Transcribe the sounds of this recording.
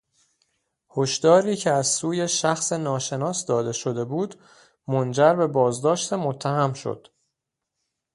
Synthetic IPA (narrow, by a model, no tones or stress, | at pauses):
hoʃd̪̥ɒːɾiːcʰeæzsuːje̞ʃæxse̞nɒːʃe̞nɒːsd̪ɒːd̪e̞ʃo̞d̪e̞buːd̪ | mond͡ʒæɾbe̞bɒːzd̪ɒːʃt̪emot̪ʰːæhæmʃo̰d̪̥